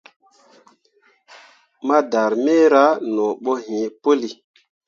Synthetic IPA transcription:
ma˦da˨ɾme˦ɾa˦nɔ˨ɓo˦ɦĩ˨po˦li˨

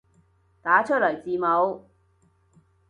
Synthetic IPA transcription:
t̪aː˨˥t͡ʃʰɵ˥lœ˨˩jt͡siː˨mo˨˧w

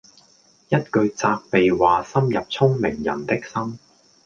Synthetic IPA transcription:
jɐ˥t̚kɵ˧ɥt͡saː˧k̚pe˨jwaː˨sɐ˥mjɐ˨p̚t͡sʰʊ˥ŋmɪ̰˨˩ŋjɐ̰˨˩nt̪ɪ˥k̚sɐ˥m

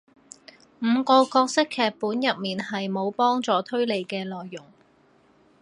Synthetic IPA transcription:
m̩ː˨˧kɔː˧kɔː˧k̚sɪ˥kʰːɛː˧k̚puː˨˥njɐ˨t̚miː˨nɦɐ˨jmo˨˧wpɔː˥ŋt͡sɔː˨˧t̪ʰɵ˥ɥle˨˧jkɛː˧lɔː˨jːʊ˨˩ŋ

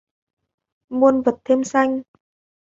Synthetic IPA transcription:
mu˧ənvə˨˩t̚t̪ʰe˧msa˧jŋ̟

